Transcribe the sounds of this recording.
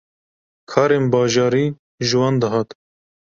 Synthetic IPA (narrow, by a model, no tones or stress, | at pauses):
kʰɑːɾeːnbɑːʒɑːɾiː | ʒɨwɑːnd̪ɨɦɑːt̪